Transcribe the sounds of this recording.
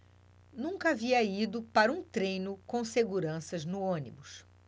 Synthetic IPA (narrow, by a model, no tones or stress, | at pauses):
nũkɐaviɐid̪ʊpaɾɐũt̪ɾẽjnʊkõw̃seɡuɾɐ̃sɐznʊõnibʊs